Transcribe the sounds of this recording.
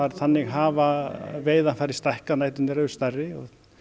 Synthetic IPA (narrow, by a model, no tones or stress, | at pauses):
aɾθanːɪɣɦaːvaveːjðanfaːɾɪst̪ajhkanajt̪ʏnɪɾœst̪arːɪɔɣ